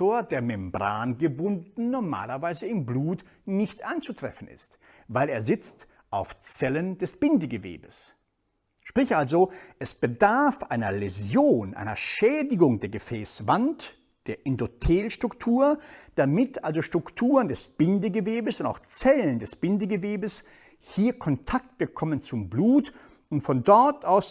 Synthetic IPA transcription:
oːɐdeːɐmɛmbʁa̰ːnɡəbʊndn̩nɔɐma̰ːlɐvaɪzəɪmbluːt | nɪçtʔa̰ɪnt͡sutʁ̥ɛ̰fn̩ɪ̰st | vaɪleːɐzɪt͡st | ʔaʊft͡sɛlənd̥ɛsb̥ɪndəɡəvḛːbəs | ʃpʁ̥ɪçʔalzoʔɛsb̥ədaɐfʔaɪnɐlezjoːnʔa̰ɪnɐ̰ʃɛːdɪɡʊŋdeːɐɡəfɛːsv̥ant | d̥eːɐʔɪndotʰeːlʃtʁ̥ʊktʰuːɐd̥amɪtʰʔalzoʃtʁ̥ʊktʰuːʁəndɛsb̥ɪndəɡəveːbəsʊntaʊxt͡sɛləndɛsb̥ɪndəɡəveːbəs | hiːɐkʰɔntʰak̚t̚ɡ̥əkʰɔmənt͡sʊmbluːt | ʊntfɔndɔɐtaʊs

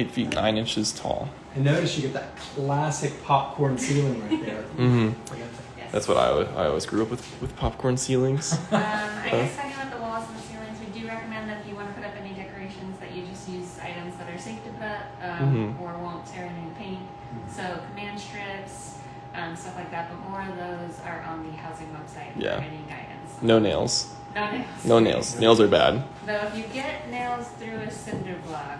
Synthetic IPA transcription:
eɪtfitⁿnʔã̰ɪ̃nɪ̃nt͡ʃɨz̥tʰɔ̰lˠ | ɨ̃noʊɾɨstjɨɡɛt̪̚ðɨt̚kʰl̥æsɨk̚pʰɑp̚kʰɔɹnsilˠɪ̃ŋɹaɪt̪̚ðə˞m̩m̥m̩aɡɛ̃tʰ | jɛ̰ðæ̰tswʌɾa̰ɪa̰ɪɔ̰lwizɡɹʉʌpwɨð̥ | wɨð̥pʰɑp̚kʰɔɹnsilˠɪ̃ŋz̥ʌ̃ma̰ɪɛsaɪãðəlɔzʌ̃nsilˠɪ̃ŋzwidɨɹɛkəmɛ̃nðɨt͡ʃɨwɑnɨpʰʊɾʌpɛnidɛkə˞eɪʃɨ̃nzðɨ̰t͡ʃɨd͡ʒʌst̚jʉza̰ɪɾɨ̃mzðɨɾə˞seɪftɨbʌt | ʌmə˞wõʊ̃ntʰɛɹɛ̃nĩpʰẽɪ̃nt̚ | soʊkʰəmæ̃nd̥stɹ̥ɪps | ʔʌ̃mstʌflaɪk̚ðæt̚b̥əmɔɹʌvðoʊzə˞ʔə̃nðɨhaʊzɪ̃ŋwɛb̥saɪt̚jæ̰mɛniɡaɪɨ̰̃n̩z̥noʊneɪlˠz̥ | noʊneɪlˠz̥noʊnḛɪlˠz̥neɪlˠzə˞bæ̰d̥̚ | boʊɨfjɨɡɛt̚ⁿneɪlˠz̥θɹʉɨsɪ̃ndə˞blɑɡ

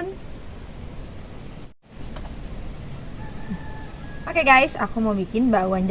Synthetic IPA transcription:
n | pakaɡajsakumawbikɪnbaʔwaɲd͡ʒ

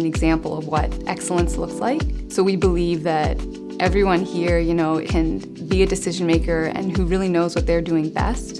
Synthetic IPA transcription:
nɨɡzæ̃mpl̩ˠʌvwʌ̰ɾʔɛksl̩ˠə̃nslʊkslaɪk̚soʊwibəlivðɨɾ | ʔɛvɹiwʌ̃nhiɹjɨnoʊkʰɨ̃n | biɨdɨsɪʒɨ̃n̩meɪkə˞ɨ̰̃nɦuɹɪlˠinoʊzwʌt̪̚ðə˞dʉɪ̃ŋbɛ̰st

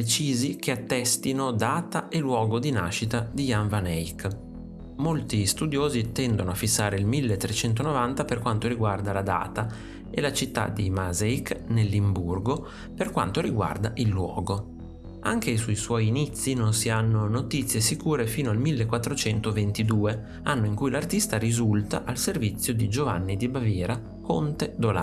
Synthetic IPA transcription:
et͡ʃiːzikʰeat̪ːɛst̪inod̪aːt̪aʔelwɔːɡod̪ina̰ʃːit̪ad̪ijaɱvanɛik | molt̪ist̪ud̪joːzit̪ɛnd̪onoafːisːaːɾeilmilːet̪ːɾet͡ʃɛnt̪̬onovant̪aperkwant̪oɾiɡward̪alad̪a̰ːt̪a | elat͡ʃit̪ːa̰d̪imazaiknelːimburɡo | perkwa̰nt̪oɾiɡwa̰rd̪aʔilːwɔːɡo | aŋk̟esujswɔːjːnit̪sːinonsianːonot̪it̪sːjesikuːɾefiːnoalmilːekwat̪ːɾot͡ʃɛnt̪ovent̪id̪uːe | anːoiŋkujlart̪ist̪aɾizult̪a̰ʔalservit̪sːjod̪id͡ʒova̰nːid̪ibavjɛːɾa | kont̪ed̪ola̰

